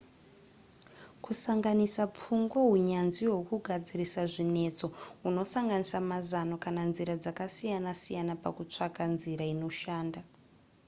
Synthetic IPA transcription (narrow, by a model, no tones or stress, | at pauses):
kusaŋɡanisap͡fuŋɡwaɦuɲanziwokuɡʱad͡zirisaʐine̞t͡so̞uno̞saŋɡanisamazano̞kananziɾad͡zakasijanasijanapa̰kut͡ʂakanziɾaino̞ʃaːnda